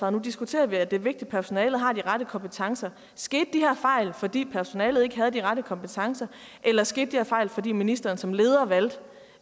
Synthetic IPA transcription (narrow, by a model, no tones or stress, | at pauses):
ɑ̰ð̩ˠnud̥isɡ̥ut͡sʰe̝̰ːɐʋiæd̥e̝ʋe̝ɡ̥̚d̥id̥̚pʰæɐso̝nɛːlð̩ˠɦɑ̈d̥iʁaɾəkʰɒ̽mpʰət͡sʰɑ̈ŋsɐ | sɡ̥e̝̰ːd̥̚ːiheɐ̰fɑ̈ɪ̰lfɒ̽d̥ḭːpʰæɐso̝nɛ̰ːlð̩ˠe̝ɡ̥əɦæð̞̩ˠd̥iʁaɾəkʰɒ̽mpət͡sʰɑ̈ŋsɐ | ʔelɐsɡ̥e̝ːd̥d̥ihæ̰ɐfɑ̈ɪlfɒ̽dḭːminisd̥ɐːn̩sɒ̽mle̝ːð̞ˠɐʋæl̰d̥